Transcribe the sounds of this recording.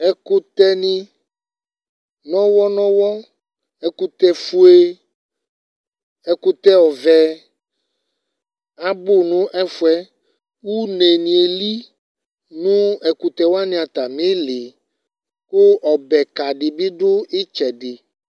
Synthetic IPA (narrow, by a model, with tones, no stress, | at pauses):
ɛ˦ku˦t̪ɛ˦nĩ˦ | nɔ̃˦wɔ˦nɔ̃˦wɔ˦ | ɛ˦ku˦t̪ɛ˦fu˦e˦ | ɛ˨ku˦t̪ɛ˦ɔ˨vɛ˦ | a˨bo˦nũ˦ʔɛ˦fu˦ɛ˦ | wu˦ne˨nĩ˨e˨li˦ | nũ˦ɛ˨ku˨t̪ɛ˦wo˦a˦nĩ˨a˨t̪a˨mẽ˦le˨ | ko˦ɔ˨bɛ˨ka˨ɖi˨bi˦ɖo˦e˦t͡ʃɛ˨ɖɪ˨